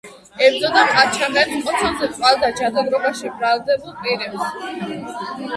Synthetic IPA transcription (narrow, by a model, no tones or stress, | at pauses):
ɛɾd̪zɔd̪apʼat͡ʃʰamɛt̪qʼɔt̪ʰɔnzɛt̪ʼvalˠd̪ad͡ʒad̪aɡɾɔbaʃibɾald̪ɛbulˠpʼiɾɛps